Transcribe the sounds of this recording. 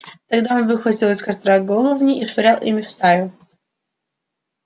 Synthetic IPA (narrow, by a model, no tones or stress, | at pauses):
t̪ɐɡd̪aonvɨxvɐtʲilˠɨsʲkɐst̪ɾaɡolˠəvnʲɪʔisfɐɾʲalˠʔimʲɪfst̪ajʲʊ